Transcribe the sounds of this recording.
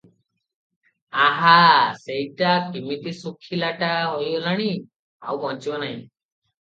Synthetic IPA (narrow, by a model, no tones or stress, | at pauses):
aɦasejʈakimit̪isukʰilaʈaɦojɔlaɽ̃i | a̰wmɔt͡ʃibɔnaɦĩ